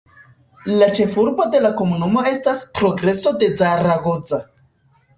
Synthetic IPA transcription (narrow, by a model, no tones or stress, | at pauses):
lat͡ʃe̞fuɾbo̞de̞lako̞munumo̞e̞staspɾo̞ɡɾe̞so̞de̞zaɾaɡo̞d͡za